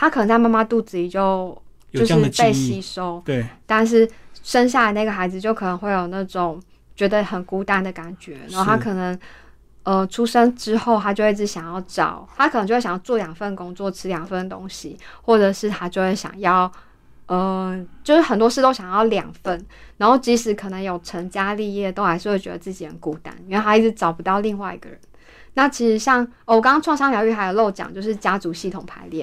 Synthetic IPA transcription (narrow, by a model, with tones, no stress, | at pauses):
t̪ʰa˥kʰə˨˩ə˧˦ŋt͡sa˥˧ɪma˥˩ma˥˧t̪u˥˧˩t͡sɹ̩˧i˨˩t͡ɕjo˥˩ʊ | t͡ɕo˥˧ʊʂ̩˥˧pe˥˧ɪɕi˥˧˩ʂo˥ʊt̪a˥˧nʂ̬ɻ̩˥˩ʂə˦˥nɕ̬ja˥˩lna˥˩ɡə˩xa˧˥ɪd͡zɹ̩˧t͡ɕjo˥˩ʊkʰɤ˨˩nə˧˦ŋxwe˥˩ɪjo˨˩ʊna˥˩ʈ͡ʂo˨˩ŋ | t͡ɕɥɛ˧˥d̪ə˧xə˨˩nku˥t̪a˥˩nd̪ə˩ka˨˩nt͡ɕɥɛ˧˥na˧˦˥o˧t̪ʰa˥kʰɤ˨˩nə˧˦ŋ | ə˧ʈ͡ʂʰu˥ʂə˥ŋʈ͡ʂɻ̩˥xo˥˧ʊt̪ʰa˥t͡ɕjo˥˧ʊ˥i˥˩ʈ͡ʂɻ̩˧˥˩ɕjɑ˨˩ŋjɑ˥˩ʊʈ͡ʂɑ̰˨˩˦ʊt̪ʰa˥kʰə˨˩n˧ŋt͡ɕo˥˧˥jɑ˨˩jɑ˥˧t͡swɔ˥˩ljɑ˨˩ŋfə˥˩n˩ko˥ŋt͡swɔ˥˩ʈ͡ʂʰɻ̩˥ljɑ˨˩ŋfə˥˩nd̪ə˩t̪o˦˥ŋɕi˨xwɔ˥˩ʈ͡ʂɤ˨˩ʂɻ̩˥˩t̪ʰa˥t͡ɕjo˥˧ʊxwe˥˩ɕjɑ̰˨˩ŋjɑ˥˩ʊ | ə˩t͡ɕjo˥˧ʊʂɻ̩˥˩xə˨˩nt̪̬wɔ˥ʂɻ̩˥˩t̪o˥ʊɕjɑ˨˩ŋjɑ˥˩ʊljɑ̰˨˩ŋfə˥˩nna˧nxo˥˩ʊt͡ɕi˧˥ʂɻ̩˧˥kʰə˨˩nə˧˥ŋjo˨˩ʊʈ͡ʂʰə˧˥ŋt͡ɕja˦li˥˧jɛ˥˩t̪o˥ʊxa˧ɪʂ̩˥˧we˥˩t͡ɕɥɛ̰˧d̪ə˧t͡sɨ˥˩t͡ɕi˨˩hə˧˦nku˨t̪a̰˧˥ni˧˥nwe˥˩a˥i˥˩ʈ͡ʂɻ̩˧˦ʈ͡ʂɑ˨˩ʊpu˧˦t̪ɑ˥˧ʊli˥˧ŋwa˥˩ɪḭ˧ɡə̰˩ɻə˧˦n | na˥˩t͡ɕʰi˧˥ʂɻ̩˧˥ɕjɑ˥˩ŋ | ə˧˩wɔ˨˩kɑ˥ŋɑ˥ʈ͡ʂʰwɑ˥˧ŋʂɑ˥˩ŋljɑ˧ʊy˥˩xa˥jo˨˩lo˥˩ʊt͡ɕjɑ̰˨˩ŋt͡ɕjo˥˧ʊʂɻ̩˥˩t͡ɕja˥t͡su˧˥ɕi˥˩t̪ʰʊ˨˩ŋpʰa˧˥ɪljɛ̰˥˩˨n